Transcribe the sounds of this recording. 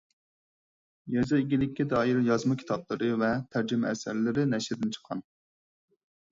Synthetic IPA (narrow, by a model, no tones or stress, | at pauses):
jɛzɨiɡʲilɪkʲːɛd̪ɑːjiɾjɑzmɑkʲʰi̥t̪ʰɑblˠɨɾɨvɛt̪ʰæɾd͡ʒɪmɛɛsæ̰ɾlɪɾɪnɛʃɾɪd̪ɪnt͡ʃʰə̥qʰɑn